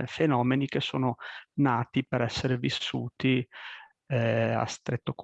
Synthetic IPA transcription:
fenɔːmenik̟esːo̰ːnonaːt̪ipeɾɛsːeɾevisːuːt̪i | a̰st̪ɾet̪ːok

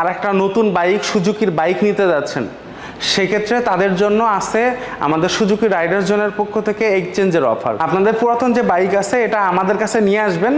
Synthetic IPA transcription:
aɾɛk̚ʈanot̪unbajkʃud͡ʑukiɾbajknit̪ed͡ʑatːɕʰen | ʃekʰet̪ːɾet̪ad̪eɾd͡ʑonːoaʃea̰mad̪eɾʃud͡ʑukiɾajɖaɾd͡ʑoneɾpokʰːot̪ʰekeekt͡ɕend͡ʑeɾɔ̰fʰa̰ɾapnad̪eɾpuɾat̪ʰond͡ʑebajkat͡ɕʰeeʈaamad̪eɾkat͡ɕʰenijeaʃben

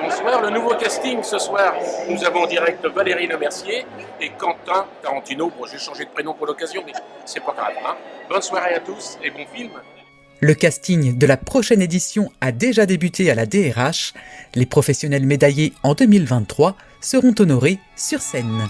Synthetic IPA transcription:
bɔ̃swaːʁlənuvokast̪iŋsəswaːʁnuzavɔ̃ɑ̃d̪iʁɛk̚t̪valeʁilɔmɛʁsjeː | kɑ̃t̪ɛ̃t̪aʁɑ̃t̪inobɔ̃ʒeʃɑ̃ʒed̪əpχenɔ̃puʁlɔkazjɔ̃mɛsɛpaɡʁa̰vɛ̃bɔnswaʁeat̪usebɔ̃film | ləkast̪iŋd̪əlapχɔʃɛned̪isjɔ̃ad̪eʒad̪ebyt̪ʰealad̪eɛʁaʃlepχɔfɛsjɔnɛlmed̪ajeɑ̃d̪əmilvɛ̃t̪ːχwa | səʁɔ̃t̪ɔnɔʁe | syʁsɛn

